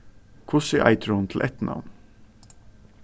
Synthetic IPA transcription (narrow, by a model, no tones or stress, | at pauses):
kʰʊsɪʔa̰ɪt̪ʰəɾhʊnt̪ʰl̩ʔɛt̪nʔa̰ʋn